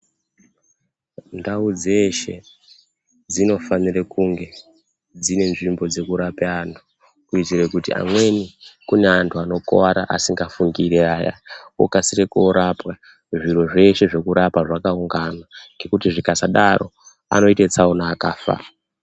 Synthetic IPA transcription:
ndaud͡ze̞ʃe̞ | d͡zino̞fanirekuŋɡe̞ | d͡zine̞nʐimbo̞d͡ze̞kuɾapeantʰu̥ | kuid͡zirekutḭa̰mwe̞nikune̞antʰuano̞ko̰waɾa̰ʔasiŋɡafuŋɡiɾeaːja̰ṵkasirekoɾapwa | ʐiɾoʐe̞ʃe̞ʐe̞kuɾʔapaʐakauŋɡanaŋɡe̞kutiʐikasaɗaro̞̰ | a̰no̞itet͡saunaːkaːfa̰

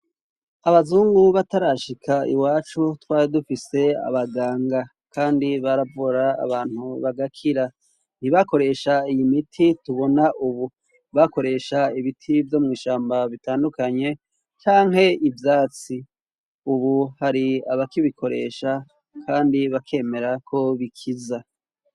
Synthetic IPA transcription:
aβazuːŋɡuβataɾaʃikʰaḭwaːt͡ʃutwaːɾidufise̞a̰βaɡaːŋɡa | kʰaːndiβaɾavuɾa̰ːβaːn̥huβaɡakʰiɾa | n̥iβako̞ɾe̞ʃaijimitʰituβo̞naʔuβu | βako̞ɾe̞ːʃaiβitʰivjo̞mŋiːʃaːmbaβitaːndukaɲe̞ | t͡ʃaːŋhe̞ivjaːt͡si | uβuhaɾiaβakiβikʰo̞ɾe̞̰ːʃa | kʰaːndiβakʰe̞ːme̞ɾakʰo̞βikʰiza

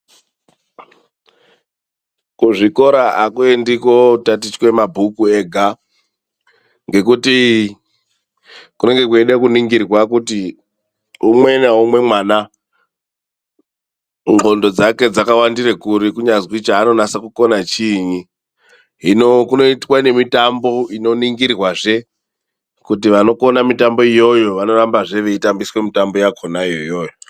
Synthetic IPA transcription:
kuʐiko̞ɾaakuendikotatit͡ʃkwe̞mabʱukueɡʱa | ŋɡe̞kuti | kune̞ŋɡe̞k̬ueɗekuniŋɡirwakuti | umwe̞naumwe̞mwana | ŋɡo̞ndo̞d͡zake̞d͡zakawandirekuɾikuɲazwit͡ʃaːno̞nasakuko̞nat͡ʃiɲi | ɦinokunoitwane̞mitambo̞ino̞niŋɡirrwaʐe̞ | kutiʋano̞ko̞namitambo̞ijo̞jo̞ʋano̞rambaʐe̞ʋe̞itambiswe̞mitambo̞jakʰonaijojoːjo

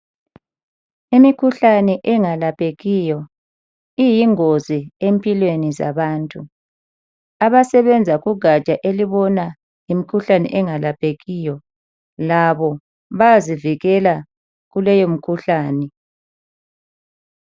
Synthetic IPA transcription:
imikʰuɬanɛʔɛŋalapʼeɣijɔ | ijiŋoziempʼilweniza̰βaːntʼu | aβasɛβɛnd͡zʱaɣuɡʱat͡ʃʼaʔeliβɔna | jimikʰuɬanɛ̰ʔɛŋalapʰʼeɣiːjɔ | laβɔ | βaziviɣɛla | ɣulɛjom̩kʰuɬaːnɛ

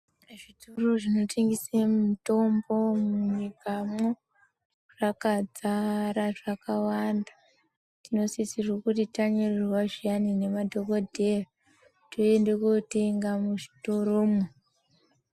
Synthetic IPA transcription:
ʐitoro̞ʐino̞tʰeŋɡisemuto̞mbo̞muɲikamo | ʐ̥akad͡zaɾaʐakawanda | tino̞sisirwokutitaɲererwaʐianine̞madʱokodʱera | toendekoteŋɡamuʐitoɾoːmo

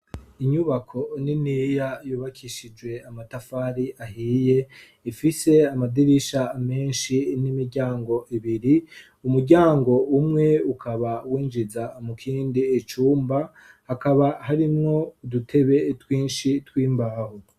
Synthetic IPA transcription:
iɲuβakʰo̞ninijajuːβakʰiʃid͡ʒɡwe̞amatafaɾiʔaɦiːje̞ | ifise̞amadiɾiʃame̞ːnʃinimiɾɟaːŋɡo̞ʔiβiɾi | umuɾɟaːŋɡo̞umŋe̞ukʰaβawiːnd͡ʒizamukʰiːndiːt͡ʃuːmba | hakaβahaɾimŋo̞dutʰe̞βe̞twiːnʃitwiːmbaho

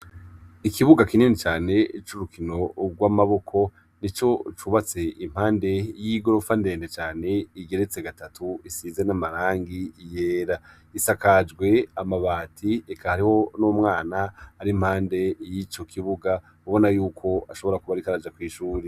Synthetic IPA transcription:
ikʰiβuɡakininit͡ʃaːne̞t͡ʃuɾukʰino̞ɡwamaβo̞kʰo̞ | nit͡ʃo̞t͡ʃuβat͡se̞im̥haːnde̞jiɡo̞ɾo̞fande̞ːndet͡ʃaːne̞iɡe̞ɾet͡se̞ɡatatʰuisiːzenamaɾaːŋɡijeːɾa | isakad͡ʒɡwe̞amaβaːtʰiekʰahaɾiho̞nomŋaːnaːɾim̥haːnde̞jit͡ʃo̞kʰiβuɡa | uβo̞najuːkʰo̞aʃo̞βo̞ɾakuβaɾikaɾad͡ʒakwiːʃuːɾe

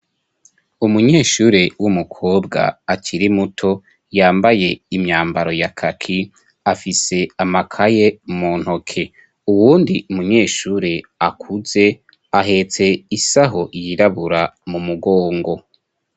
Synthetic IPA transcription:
umuɲe̞ːʃuːɾewumukʰoːbɡa̰ːt͡ʃiɾimutʰo̞ | jaːmbaje̞imɲaːmbaɾo̞jakʰakʰi | afise̞amakʰajemuːn̥hokʰe̞ | uwuːndiʔumuɲe̞ːʃuːɾeakʰuze̞ | aɦe̞t͡se̞isaɦoʔjiɾaβuɾamumuɡoːŋɡo̞

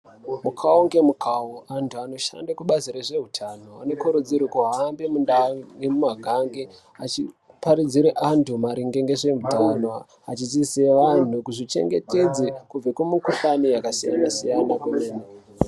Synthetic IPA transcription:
mukʰaoŋɡe̞mukʰawoʔantʰuano̞ʃa̰ndakuɓaziɾeʐe̞ɦutʰanoa̰nekoɾud͡ziɾikoɦaːmbemundaemumaɡʱaŋɡe | at͡ʃi | paɾid͡ziɾeʔantʰumaɾiŋɡeŋɡeʐemudʱanwa | at͡ʃitiseʋan̤ukuʐit͡ʃe̞̰ŋɡe̞te̞d͡zekub͡vekumukufanijakasija̰nasijanakuneːne

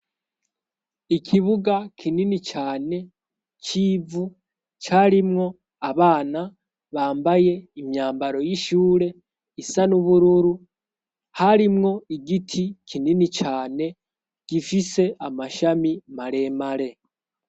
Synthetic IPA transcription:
ikʰiβuɡakʰininit͡ʃaːne̞ | t͡ʃiːvu | t͡ʃaɾimŋo̞ | aβaːna | βaːmbaje̞imjaːmbaɾo̞jiʃuːɾe̞ | isanuβuɾuɾu | haɾimŋo̞iɡitʰikʰininit͡ʃaːne̞ | ɡ̥ifise̞ʔamaʃamimaɾe̞ːmaɾe̞

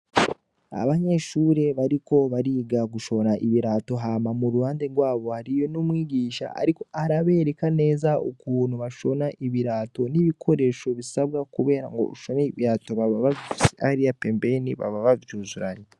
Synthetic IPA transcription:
a̰βaɲe̞ʃuɾe̞βaɾiko̞βaɾiːɡaɡuʃoɾaʔiβiɾato̞ɦamamuɾuβaːndeɡɡwaːβo̞haɾijo̞numwiːɟiːʃa̰a̰ɾiko̞aɾaβe̞ːɾe̞kane̞ːzaukuːn̤uβaʃo̞naʔiβiɾaːto̞niβikʰo̞ɾe̞ʃo̞βisaβɡakuβe̞ːɾa̰ŋɡo̰uʃo̞neiβiɾaːto̞βaβaβasa̰ɾiapembe̞niβa̰βaβavjuːzuɾaɲe

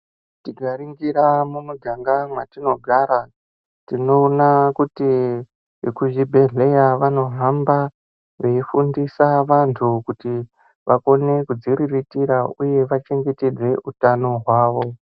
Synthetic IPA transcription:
tiɡʱaɾiŋɡiɾamumuɡʱaŋɡamwatino̞ɡʱaɾa | tino̞ːnakuti | kuʒibʱe̞ɮe̞jaʋano̞ɦamba | ʋe̞ifundisaʋantʰukuti | ʋʔako̞ne̞kud͡ziɾiritiɾauje̞ʋat͡ʃe̞ŋɡe̞te̞d͡ze̞ʔutano̞ɦwaːʋo̞

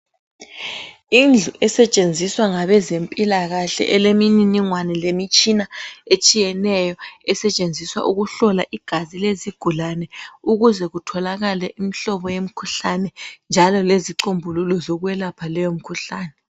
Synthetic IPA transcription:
ind͡ɮʱuʔɛsɛt͡ʃʼend͡zʱiswaŋaβɛzempʼilaɣaɬɛ̰ʔɛlemininiŋwanɛlemit͡ʃʼinaet͡ʃʼijɛnɛjɔɛsɛt͡ʃʼend͡zʱiswa̰ʔuɣuɬɔlaʔiɡ̥ʱazileziɡ̥ʱulanɛuɣuzɛɣutʰɔlaɣalɛʔim̩ɬɔβɔjem̩kʰuɬanɛnd͡ʒʱalɔleziǃombʱululɔzɔɣuwɛlapʰalɛjom̩kʰuɬaːnɛ

